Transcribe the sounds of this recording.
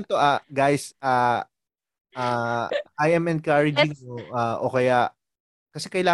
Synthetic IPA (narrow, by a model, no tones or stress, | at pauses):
nt̪oʔaɡajsaː | ʔaːajʔɛmʔɛn̚kaɹɪd͡ʒɪŋmoʔaʔo̰kɐjaʔ | kɐsɛkɐjlaː